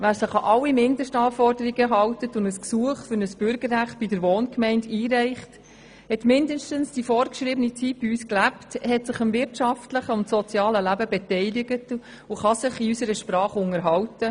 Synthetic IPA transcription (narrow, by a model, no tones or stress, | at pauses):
væːɾsɪχɑʔɑwːimɪndəʃtɑːfɔrdəɾiɡəɦɑwtətʊndəsksuəχfʏɾnəsb̥ʏɾɡəɾːæχt̚b̥idəɾʋɔːnkmɛɪndiːɾɛɪχt | hɛtmɪndəʃtənsd̥ifɔːɾkʃɾiːbənit͡sit̚b̥iysklæpthɛtsɪχəmvɪɾtʃɑftləχəʊntsɔt͡sjɑːləlæbəbɛtɛɪlɪɡət | ʊχɑsɪχiysəɾəʃprɑːχʊŋəɾɦɑwtə